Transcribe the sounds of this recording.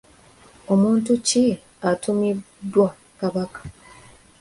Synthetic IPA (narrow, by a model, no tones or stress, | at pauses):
o̞muːntuci | atumi | dːwa | kaβakḁ